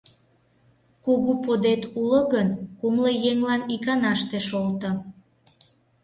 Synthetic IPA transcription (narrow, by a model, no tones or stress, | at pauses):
kuɣupod̪et̪uləɣənkumləjeŋlɑnikɑnɑʃt̪eʃolt̪ə